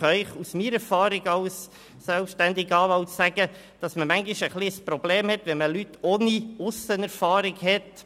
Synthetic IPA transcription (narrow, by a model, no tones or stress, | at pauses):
œʏχusmiːɾɛɾfɑːɾɪɡɑws | sɛlpʃtænd̪ɪɡɑːʋɑwt͡sːæɡ̥ə | d̥ɑsməmæŋɡiʃəχliəspɾɔbleːmhɛt̪ʋɛnməlytoːniʊsənɛɾfɑːɾɪɡhɛt̪